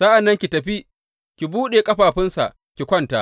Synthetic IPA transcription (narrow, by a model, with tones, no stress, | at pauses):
sa˦ʔa˨nːɐ˦ŋkʲi˨tɐ˨ɸi˦ | kʲi˨buː˦ɗeː˨kʼɐ˦ɸaː˨ɸɪ˦nsa̰˨ʔ | kʲi˨kʷɐ˦˨ntaː˦